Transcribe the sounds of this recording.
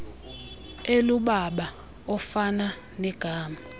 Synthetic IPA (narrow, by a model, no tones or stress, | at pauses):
eluɓaɓa | ɔfana | nɛɡ̥ʱaːma